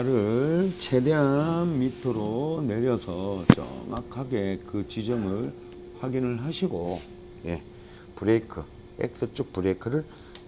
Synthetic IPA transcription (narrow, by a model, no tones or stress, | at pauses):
aɾɯɭt͡ɕʰe̞de̞ɦanmitʰɯɾone̞ɾjʌsʰʌt͡ɕʌ̰ŋa̰kʰaɡe̞kɯt͡ɕid͡ʑʌŋɯɭ | ɸwaɡinɯɭɦaɕʰiɡo | je̞ | pɯɾekʰɯ | ḛk̚s͈ɯt͡ɕ͈uk̚puɾekʰɯɾɯɭ